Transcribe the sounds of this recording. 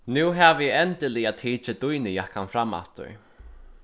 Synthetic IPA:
nʉːɦavjɛɛnt̪ɪlɪat̪ʰiːt͡ʃɪt̪ujnɪjakʰanfɾamːa̰ft̪ːʊ̰j

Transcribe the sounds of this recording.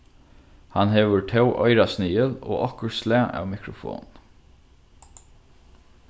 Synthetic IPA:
hanɦeːʋəɹʈʰɛwʔɔ̰ʏɾasniːəlo̰ːʔɔhkəɹslæːʔæ̰ːʋmɪkɾʊfo̰ːn

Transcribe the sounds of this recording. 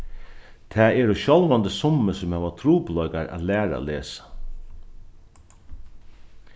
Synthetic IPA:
t̪ʰɛːɛɾoɕɔlʋant̪əsʊmːəsʊmhɛːʋat̪ʰɾuːplɔjkaɾa̰t̪læːɾa̰leːsḁ

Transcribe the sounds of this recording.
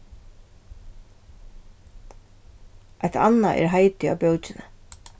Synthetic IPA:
ʔajt̪ʰa̰nːaʔɛ̰ɾɦaɪt̪ɪa̰wpjowt͡ʃɪna

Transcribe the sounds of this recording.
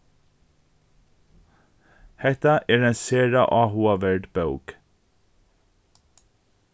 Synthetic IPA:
hɛt̪ɑʔeːɹeːnseːɹɑ̰ʔɑːhuːɑʋæɹɖbɑʉɡ̥

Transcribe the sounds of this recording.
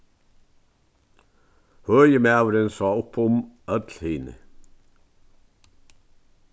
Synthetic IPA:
hœːjəmæːʋɾənsɑːʊpʰʊmœd̪lhiːnɪ̰

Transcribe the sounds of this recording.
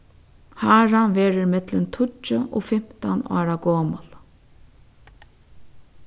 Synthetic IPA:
haːɾanʋeːɾəɾmɪt̪lənt̪ʰʊt͡ʃːəʔɔ̰ːfɪm̥t̪a̰na̰ːɾaɡɔːməl

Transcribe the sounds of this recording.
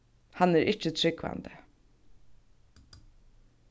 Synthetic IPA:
hanæɾʔɪt͡ʃːət̪ʰɾɪkʋa̰nd̪ə

